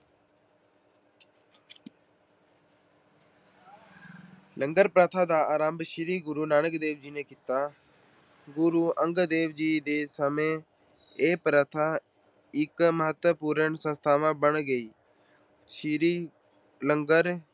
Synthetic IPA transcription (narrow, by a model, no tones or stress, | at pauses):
ləŋɡəɾpɾaːt̪ʰaːd̪aːaːɾaːmbʃɪɾiːɡʊɾuːnaːnəkd̪eːʋd͡ʒiːneːkit̪aː | ɡʊɾuːʔə̃ŋɡd̪eːʋd͡ʒiːd̪eːsəmẽː | eːpɾət̪ʰaː | ɪkməɦət̪wəpuːɾəɳsə̃nst̪ʰaːʋãːbəɳɡəiː | ʃɾiː | ləŋɡəɾ